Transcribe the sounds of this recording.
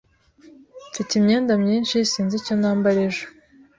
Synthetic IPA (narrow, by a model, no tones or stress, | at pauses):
ficimɲeːndamɲiːnʃisiːnziconaːmbaɾeʒe